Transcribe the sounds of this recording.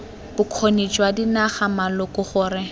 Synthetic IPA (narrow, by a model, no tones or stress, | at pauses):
b̥ʊkʰonet͡ʃʼwadinaχamalʊkʼʊχʊːɾɪ